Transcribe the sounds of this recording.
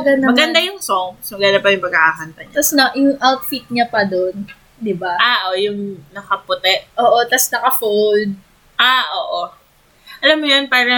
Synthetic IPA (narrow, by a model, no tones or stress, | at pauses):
ɐɡɐnd̪ɐmɐɡɐnd̪ajʊŋsoŋsmɐɡɐnd̪ɐpɐɾjʊŋmɐɡaʔaːɦɐnt̪ɐɲatɐsnɐjʊŋʔawt̪fit̪̚ɲapɐd̪on | d̪ɪbaʔaːʔojʊŋnɐkɐpʊt̪ɛʔʔoːʔo̞t̪ɐsnɐkɐfold̪̚ | ʔaʔoːʔo | ʔɐlamːojonpaːɾɛ